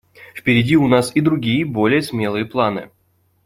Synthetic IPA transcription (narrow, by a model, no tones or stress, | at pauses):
fpʲɪɾʲɪdʲiʊnasid̪ɾʊɡʲijəbolʲɪjəsmʲe̞lˠɨjəplˠanɨ̰